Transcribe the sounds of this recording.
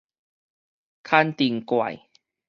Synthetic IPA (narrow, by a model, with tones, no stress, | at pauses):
kʰa˥˧nt̪i˧˩ŋkwa̰˨˩j